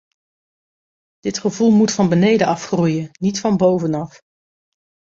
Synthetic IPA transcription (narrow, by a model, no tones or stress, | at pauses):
d̥ɪtχəvulˠmutfɑnbənejdəɑfχrujənnitfɑnbowvənɑf